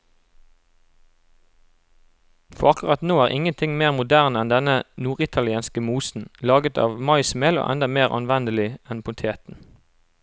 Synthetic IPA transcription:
fɔʁɑkʊʁɑt̪noːæːʁʔɪŋənt̪ʰɪŋmeːʁmʊd̪æːʁnəɛnd̪ɛnənuːʁɪt̪ʰɑlɪeːnskəmuːsn̩lɑːɡət̪ʰɑ̰ːʋmɑɪsmeːlo̰ːʔɛ̰nd̪ɑmeːʁʔɑ̰nʋɛnd̪əlɪɛnpʰʊnt̪ʰeːt̪n̩

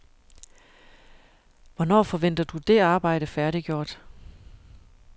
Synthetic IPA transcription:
ʋɒnɒ̰ːfɒ̽ʋen̰d̥ɐd̥ud̥e̝ɑ̈ːb̥ɑ̈ɪ̰ɾ̥əfæɐɾiɡ̥jo̝̰ːd̥

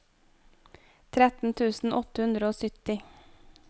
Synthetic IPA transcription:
t̪ʰɾɛt̪n̩t̪ʰʉːsn̩ʔɔt̪əhʉnd̪ɾəoːsʏt̪ɪ

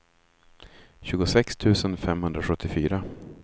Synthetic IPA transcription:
ɕʉ̟ːɡʊsɛkst̪ʰʉ̟ːsənfɛmhɵnd̪ɾaɧɵt̪ʰːɪfy̰ːɾa

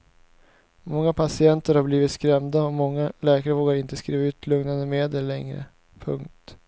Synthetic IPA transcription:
mɔŋːapʰasɪɛnt̪əɾhaɾbliːvɪt̪skɾɛmd̪aɔmɔŋːalɛːkaɾəvoːɡaɾɪnt̪əskɾiːvaʉ̟ːt̪ʰlɵŋnand̪əmeːd̪əlːɛ̰ŋɾə̰ | pʰɵ̰ŋk̚t̪

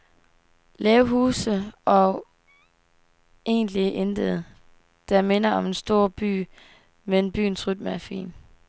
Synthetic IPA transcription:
lɛːʊɦuːsəʔɒ̽ | e̝̰ːnliʔend̥əð̩ˠ | d̥ɑ̈me̝nɐɒ̽me̝nsd̥o̝ɐ̰b̥y̰ː | meenb̥y̰ːnsʁyd̥̚məæɐfḭːn

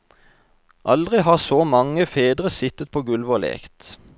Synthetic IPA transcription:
ʔɑld̪ʁɪhɑːʁsoːmɑŋəfeːd̪ʁəsɪt̪ət̪̚pʰoːɡʉlʋəlḛːkt̪

